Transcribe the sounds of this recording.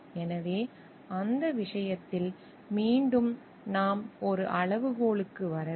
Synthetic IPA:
ɛnɐʋeː | ɐnd̪ɐʋɪʂɐjɐt̪ːɪl | miːɳɖɯm | naːmɔɾɯʔɐɭɐʋɯɣoːɭɯkːɯʋɐɾɐ

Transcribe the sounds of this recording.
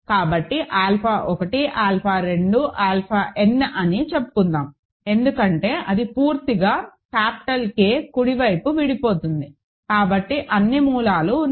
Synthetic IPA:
kaːbɐʈːiʔaːlpʰaːʔɔkɐʈiʔaːlpʰaːɾe̞ɳɖuʔaːlpʰaːʔenːʔɐnit͡ʃe̞pːu̥kund̪aːm | e̞nd̪ukɐɳʈe̞ːʔɐd̪ipuːɾt̪iɡaːkaːpi̥ʈɐlkeːkuɽiʋɐjpuʋiɽipo̞ːt̪und̪i | kaːbɐʈːiʔɐnːimuːlaːlu

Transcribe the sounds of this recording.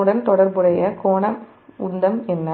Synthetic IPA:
ɯɽɐnt̪ɔɽɐɾbɯɽɐjɐkoːɳɐm | ʊɳd̪ɐmɛnːɐ

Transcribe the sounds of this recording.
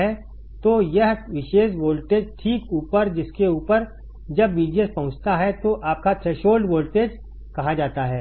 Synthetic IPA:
ɛ | t̪ojɐɦʋɪʃeːʃʋoːlʈeːd͡ʒʈʰiːkuːpəɾd͡ʒɪskeuːpəɾ | d͡ʒɐbːiːd͡ʒiespɐ̃ɦʊ̃t͡ʃt̪aɦɛt̪oʔaːp̚kat̪ʰɾeːʃoːlɖʋoːlʈeːd͡ʒ | kɐɦad͡ʒaːt̪aɦɛː

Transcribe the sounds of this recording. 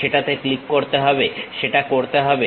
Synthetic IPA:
eʈat̪eklikːoɾt̪eɦɔbeʃeʈakoɾt̪eɦɔbe

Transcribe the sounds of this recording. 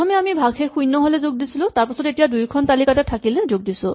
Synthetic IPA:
ɔmɛamibʱaɡɦɛxujnːɔɦolɛzoɡ̚disilʊ̃taɹpasɔdetijadujkʰɔntalikatɛtʰakilɛzoɡ̚disʊ̃

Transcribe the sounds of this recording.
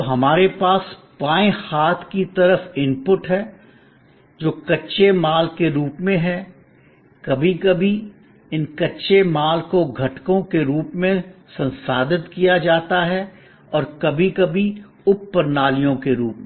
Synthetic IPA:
ɦɐmaːɾepaːs | paːẽhaːt̪ʰkit̪ɐɾəfɪ̃mpʊʈɦɛ | d͡ʒoːkɐtːʃemaːlkeɾuːpmẽɦɛ | kɐbʱikɐbʱi | ɪnkɐtːʃemaːlkoɡʱɐʈkõkeɾuːpmẽsɐ̃nsaːd̪ɪt̪kijad͡ʒaːt̪aɦɛ | ɔːɾkɐbʱikɐbʱi | ʊpːəɾnaːlijõkeɾuːpmẽ

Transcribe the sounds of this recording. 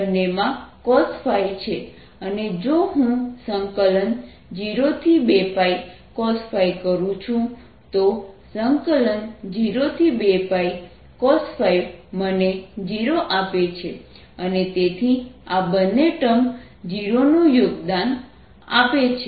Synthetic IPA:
nːemãkɔsfʰajt͡ʃʰe | əned͡ʒoɦũsəŋkələn | d͡ʒiɾot̪ʰibepai | kɔsfʰaikəɾũt͡ʃʰũ | t̪osəŋkələnd͡ʒiɾot̪ʰibepai | kɔsfʰajməned͡ʒiɾoʔapet͡ʃʰe | ənet̪et̪ʰiabənːeʈəm | d͡ʒiɾonũjoɡd̪an | a̰pet͡ʃʰe

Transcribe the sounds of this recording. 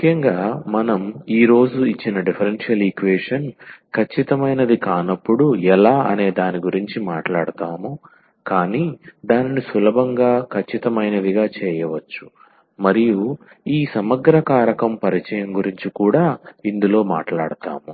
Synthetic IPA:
mukʰːjɐŋɡaːmɐnɐmiːɾo̞ːd͡ʒuit͡ʃːinɐɖipʰɐɾenʂijɐlikʋeːʂɐnkʰɐt͡ʃːit̪ɐmɐjnɐd̪ikaːnɐpːuɽuɛlaːɐ̰ne̞ːd̪aːniɡuɾiɲt͡ʃimaːʈlaːɽut̪aːmu | kaːniːd̪aːninisʋulɐbʱɐŋɡaːkʰɐt͡ʃːit̪ɐmɐjnɐd̪iɡaːt͡ʃɛːjɐʋɐt͡ʃːu̥ | mɐɾiju | iːsɐmɐɡ̪ɾɐkaːɾɐkɐmpɐɾit͡ʃɐjɐmɡuɾiɲt͡ʃikuːɽaːind̪ulo̞ːma̰ːʈlaːɽut̪a̰ːmu

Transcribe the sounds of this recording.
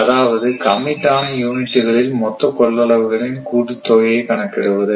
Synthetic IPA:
ɐðaːʋɐðɯkɐmːɪʈːaːnɐjuːnɪʈːɯɣɐɭɪlmɔt̪ːɐkɔɭːɐɭɐʋɯɣɐɭɪnkuːʈɯt̪ːoːjɐɪkɐɳɐkːɪɽɯʋɐðɯ

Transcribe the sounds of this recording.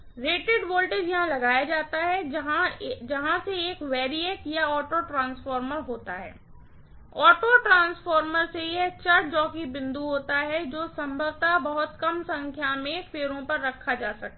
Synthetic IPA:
ɾeːʈeɖʋoːlʈed͡ʒjɐɦãlɐɡaːjad͡ʒaːt̪aɦɛɦãd͡ʒɐɦãseeːkʋɛːɾieːkjaɔːʈoʈɾãːnsfɔːɾməɾɦoːt̪aɦɛ̰ː | ɔːʈoʈɾãːnsfɔːɾməɾsejet͡ʃɐɾd͡ʒɔːkibɪ̃nd̪uɦoːt̪aɦɛd͡ʒoːsɐ̃mbʱəʋt̪abɐɦʊt̪kɐmsɐ̃ŋkʰjamẽfeːɾõpɐɾːɐkʰːad͡ʒaːsɐk̚t̪a

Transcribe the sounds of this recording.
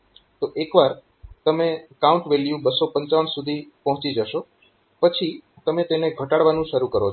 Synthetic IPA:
t̪oʔekʋaɾ | t̪əmekaũɳʈʋeljubəsopəɲt͡ʃaʋənsud̪ʱipəɦʊ̃t͡ʃid͡ʒəʃo | pət͡ʃʰi | t̪əmet̪eneɡʱəʈaɽʋanũʃəɾukəɾo

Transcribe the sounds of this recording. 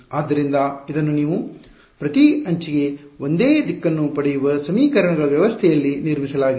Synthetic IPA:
aːd̪ːɐɾind̪ɐid̪ɐnːuniːʋu | pɾɐt̪iɐɲt͡ʃiɡe̞ond̪eːd̪ikːɐnːupɐɽɛjuʋɐsɐmiːkɐɾɐɳɐɡɐɭɐʋjɐʋɐst̪ʰɛjɐlːiniɾmisɐlaːɡi

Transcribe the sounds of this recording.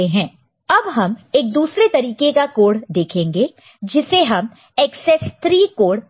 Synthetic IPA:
eɦɛ̃ː | ɐbɦɐmeːk̚d̪uːsɾet̪ɐɾiːkekakoːɽd̪eːkʰẽːŋɡeː | d͡ʒɪseɦɐm | ɛːksɛst̪ʰɾiːkoːɽ

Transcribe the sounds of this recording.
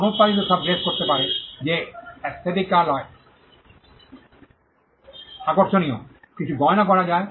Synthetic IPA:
not̪̚paɾit̪̬osəb̚d͡ʑeskoɾt̪epaɾed͡ʑeɛst̪ʰet̪ikːaɾlɔe | akoɾʃonio | kit͡ɕʰuɡɔeonakɔɾad͡ʑae

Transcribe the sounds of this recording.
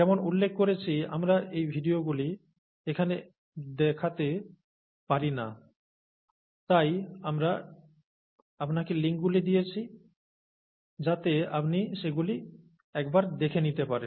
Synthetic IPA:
ɛmonulːekʰːoɾet͡ɕʰia̰mɾaʔejbʱiɖioɡuli | ekʰane | d̪ɛkʰat̪e | paɾina̰ | t̪ajamɾa | apnakeliŋk̚ɡulid̪ijet͡ɕʰi | d͡ʑat̪ea̰pniʃeɡuli | ɛkbaɾd̪ekʰenit̪epaɾen

